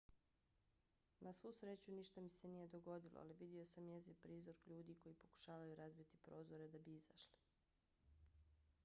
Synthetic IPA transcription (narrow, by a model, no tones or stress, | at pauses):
nasʋuːsɾeːt͡ɕuniʃt̪amise̞nije̞d̪oɡo̞d̪ilˠo̰a̰liʋid̪io̞samjezipɾiːzo̞ɾkʎuːd̪iko̞jipo̞ku̥ʃaːʋajuɾazbit̪i̥pɾo̞ːzo̞ɾe̞d̪abiizaʃli̥